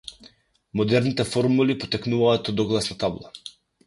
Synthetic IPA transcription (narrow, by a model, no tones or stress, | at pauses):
mɔd̪ɛɾnit̪ɛfɔɾmulipɔt̪ɛknuvaːt̪ɔd̪ɔɡlˠasnat̪ablˠa